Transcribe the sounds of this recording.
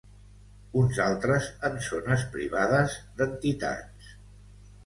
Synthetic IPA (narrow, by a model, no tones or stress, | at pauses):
unzalˠt̪ɾəzənsonəspɾḭβaðəzd̪ənt̪it̪a̰t͡s